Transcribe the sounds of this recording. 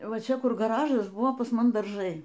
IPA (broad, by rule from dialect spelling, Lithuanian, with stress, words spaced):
ˈʋɐ ˈt͡ʃʲɛ ˈkʊr ɡɐˈrɑːʒɐs ˈbʊʋoː pɐs ˈmʊm dɐrˈʒɐɪ